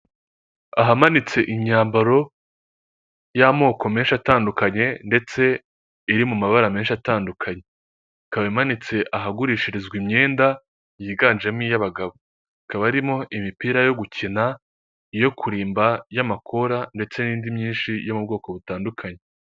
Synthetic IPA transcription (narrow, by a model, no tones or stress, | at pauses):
aɦamanit͡se̞ʔiɲaːmbaɾo̞ | jamo̞ːko̞me̞ːnʃataːndukaɲe̞nde̞t͡se̞ | iɾimumaβaɾame̞ːnʃataːndukʰaɲe̞ | kaβimanit͡se̞ʔaɦaɡuɾiːʃiɾizɡwimɲe̞ːnda | jiːɡaːnd͡ʒemŋijaβaɡaβo̞ | kaβaɾimo̞ʔimipiːɾajo̞ɡucʰina | ijo̞kʰuɾiːmbajamakʰo̞ɾande̞t͡se̞niːndimɲiːnʃijo̞mub̚ɡo̞ːko̞βutaːndukʰaɲe̞